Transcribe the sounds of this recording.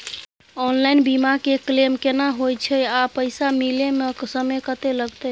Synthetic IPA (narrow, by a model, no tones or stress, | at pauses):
ɔnlainbimakeklemkenaɦojt͡ʃʰəapəjsamilemesəmekət̪eləɡt̪əj